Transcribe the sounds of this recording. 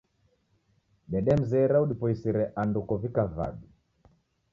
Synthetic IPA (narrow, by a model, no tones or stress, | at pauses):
ɗɛɗɛm̩zɛɾauɗipɔisiɾɛʔandukɔvikava̰ɓi